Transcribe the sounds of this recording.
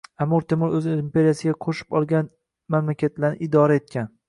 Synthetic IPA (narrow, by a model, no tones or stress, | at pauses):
amʊɾt̪ʰemʊɾɵzɪɪmpʲe̞ɾijasɪɡʲaqʰoʃɪ̥pɒlˠɡʲan | mamlakʲʰat̪laɾnɪʔɪd̪ɒɾae̞t̪̚kʲan